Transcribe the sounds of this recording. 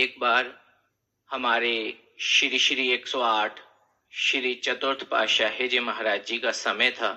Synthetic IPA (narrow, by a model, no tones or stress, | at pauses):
eːk̚baːɾ | hɐmaːɾe | ʃɾiʃɾieːksɔaːʈʰ | ʃɾit͡ʃɐt̪ʊɾt̪ʰpa̰ːʃaɦed͡ʒeːmɐɦaɾaːd͡ʒd͡ʒikasɐməjt̪ʰaː